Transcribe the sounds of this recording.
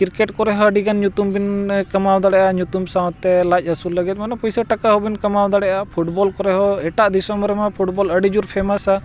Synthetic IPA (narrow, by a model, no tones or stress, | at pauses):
kiɾkɛʈkɔɾɛɦɔəɖiɡanɲut̪umbinkamawd̪aɽɛʔaɲut̪umsaw̃t̪ːɛlac̚ɦəsulːəɡɛt̪̚manɛpɔjsəʈakaɦɔbinkɐmawd̪aɽɛʔapʰuʈbɔlkɔɾɛɦɔɛʈaʔd̪isɔmɾɛmapʰuʈbɔləɖid͡ʒuɾpʰɛmasa